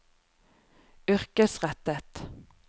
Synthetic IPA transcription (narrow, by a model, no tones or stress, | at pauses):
ʏʁkəsʁɛt̪ət̪